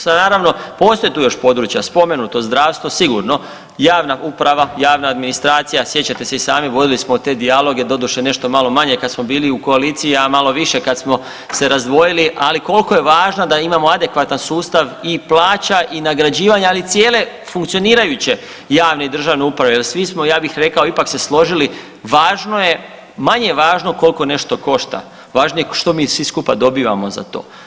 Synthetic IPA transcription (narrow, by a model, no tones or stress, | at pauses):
anaːɾaʋno̞po̞ːst̪o̞jet̪uːjo̞ʃpo̞d̪ɾut͡ɕjaspo̞me̞nut̪o̞zd̪ɾaːʋst̪ʋosiɡuɾno̞ | jaːʋnaʔupɾaʋajaːʋnaːd̪minist̪ɾaːt̪sijasje̞t͡ɕat̪e̞se̞isaːmiʋo̞d̪ilismot̪e̞d̪ialˠo̞ɡe̞d̪o̞d̪uʃene̞ʃt̪o̞malo̞maɲe̞kad̪smo̞biːliuko̞aliːt̪sijamalˠo̞ʋiʃe̞kad̪smo̞ | se̞ɾazd̪ʋo̞jiliʔaliko̞lko̞je̞ʋaːʒnad̪aimamo̞ad̪e̞kʋat̪ansuːst̪aʋiplˠaːt͡ɕaʔinaɡɾad͡ʑiːʋaɲaalit̪sje̞ːle̞ | fuŋkt̪sioniːɾajut͡ɕe̞ | jaːʋneid̪r̩ʒaʋneupɾaʋejelsʋismo̞jaːbixɾe̞kao̞ipakse̞slˠo̞ʒili | ʋaːʒno̞je̞ | maɲe̞ʋaːʒno̞ko̞lko̞ne̞ʃt̪o̞ko̞ʃt̪a̰ | ʋaːʒnojeʃt̪o̞miːsʋiskupad̪o̞biːʋa̰moza̰t̪o̞̰ː